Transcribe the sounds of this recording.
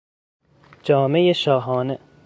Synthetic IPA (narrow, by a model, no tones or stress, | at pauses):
d͡ʒɒːmejeʃɒːɦɒːne